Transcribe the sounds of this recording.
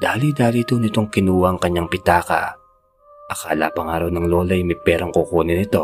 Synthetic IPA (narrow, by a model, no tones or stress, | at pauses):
d̪̥aːlid̪aːlit̪onɪt̪o̞ŋkɪnuːwɐʔɐŋkɐɲːaŋpɪt̪aːkɐ̰ | ʔɐka̰ːla̰pɐŋaːɾɐwnɐŋlo̞ːlɐjmɐjpɛːɾɐŋkokuːnɪnɪt̪o̞